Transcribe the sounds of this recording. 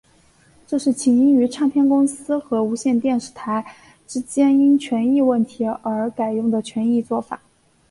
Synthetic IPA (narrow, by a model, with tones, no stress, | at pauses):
ʈ͡ʂɤ˥˧ʂɻ̩˥˩t͡ɕʰi˧˥ŋi˥ŋy˧˥ʈ͡ʂʰɑ˥˧ŋpʰjɛ˥˧nkʊ˥ŋsɹ̩˥xɤ˧˥u˧˥ɕjɛ˥˧nt̪jɛ˥˧nʂɻ̩˥˩t̪ʰa˧˥ɪ | ʈ͡ʂɻ̩˥t͡ɕjɛ˥ni˥nt͡ɕʰɥɛ˧˥ni˥˧wə˥˩nt̪ʰi˧˥ə˞˧˥ka˨˩ɪjʊ˥˩ŋd̪ə˩t͡ɕʰɥɛ˧˥ni˥˧t͡swɔ˥˩fa̰˨˩˦